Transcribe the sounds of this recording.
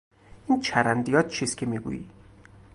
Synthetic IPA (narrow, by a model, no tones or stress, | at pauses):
ʔint͡ʃʰæɾænd̪ijɒt̪̚t͡ʃʰiskʲʰemiɡṵjḭ